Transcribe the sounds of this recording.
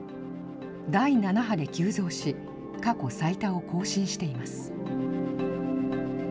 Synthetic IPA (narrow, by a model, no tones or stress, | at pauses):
d̪ainanaɦad̪e̞kʲɨːzo̞ːɕi | kako̞sait̪ao̞kʰo̞ːɕĩɰ̃ɕi̥t̪e̞imasɨ̥